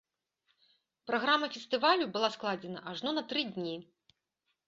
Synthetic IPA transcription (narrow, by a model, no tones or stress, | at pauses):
pɾaɣɾamːɐfʲɛst̪ɨvalʲubɨlˠasklˠad͡zʲɛnɐʔaʐnɔnɐt̪ɾɨd̪ʲnʲi